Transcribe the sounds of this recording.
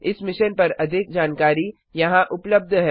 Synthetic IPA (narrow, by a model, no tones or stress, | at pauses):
ɪsmɪʃənpɐɾɐd̪ʱɪk̚d͡ʒaːnkaːɾi | jɐɦãʔʊpləb̚d̪ʱɦɛ